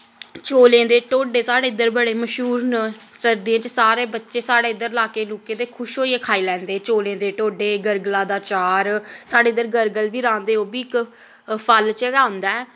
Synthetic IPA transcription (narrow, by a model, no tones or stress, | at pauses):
t͡ʃoːlẽːd̪eːʈoːɖeːsaːɽeːɪd̪əɾbəɽeːməʃɦuːɾn | səɾd̪iãːt͡ʃəsaːɾeːbətːʃeːsaːɽeːɪd̪əɾlaːkeːloːkẽːd̪eːkʰʊʃɦoːiːeːkʰaːiːlɛ̃ːnd̪eːt͡ʃoːlẽːd̪eːʈoːɖeːɡəɾɡlãːd̪aːt͡ʃaːɾsaːɖeːd̪əɾɡəɾɡəlʋiːɾãːnd̪eːoːbiːɪk | pʰəlt͡ʃɡaːõnd̪aːɛː